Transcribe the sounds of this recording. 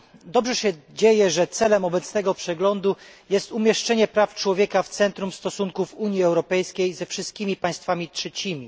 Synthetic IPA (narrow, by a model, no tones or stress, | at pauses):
d̪ɔbʐɛɕɛd͡ʑejɛʐɛt̪sɛlɛmɔbɛt̪snɛɡɔpʂɛɡlɔnd̪ujɛst̪umʲjɛʂt͡ʂɛɲɛpɾaft͡ʂwɔvʲjeɛkaft̪sɛnt̪ɾumst̪ɔsuŋkufuɲjiɛwɾɔpɛjskʲejzɛfʂɘst̪̚kʲimʲipaj̃st̪famʲitʂɛt͡ɕimʲi